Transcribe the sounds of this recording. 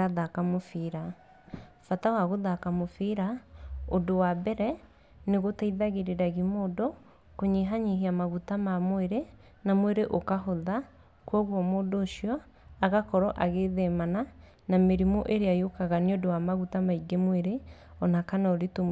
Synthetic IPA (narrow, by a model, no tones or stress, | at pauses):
aðakamofiɾa | fatawaɣoðakamofiːɾaodowabɛɾɛ | neɣotaiðaɣeɾeɾaɣimoːdo | koɲeɦaɲeɦiamaɣutamamoeɾe | namweɾeʔokaɦoða | kwɔɣɔmoːdoːʃjɔ | aɣakɔɾɔʔaɣeðɛmana | nameɾimoʔeɾeajokaɣaneodowamaɣutamaiɡemweɾeɔnakanaoɾeto